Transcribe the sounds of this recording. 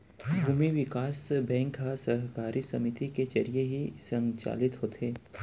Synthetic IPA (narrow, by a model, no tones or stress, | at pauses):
bʱuːmiʋɪkaːsbɛ̃ːŋkɦasɐɦkaːɾisɐmɪt̪iket͡ʃɐɾijeɦisɐ̃ŋt͡ʃa̰ːlɪt̪ɦoːt̪ʰeː